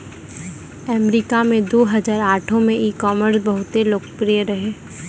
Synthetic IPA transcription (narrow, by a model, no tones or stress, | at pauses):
əmɾiːkamẽd̪oːɦɐzaːɾaːʈʰõmẽʔiːkɔːməɾsbɐɦʊt̪eloːkpɾijəɾɐɦeː